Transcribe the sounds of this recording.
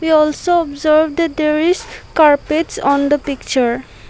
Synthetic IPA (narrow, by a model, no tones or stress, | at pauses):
wiɔlsoɔbzəɾbd̪əd̪eɾiskaɾpeʈsɔnd̪əpik̚t͡ɕaɾ